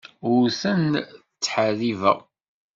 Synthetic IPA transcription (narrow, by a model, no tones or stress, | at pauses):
ʊɾsən | t͡sːħəɾivæ̰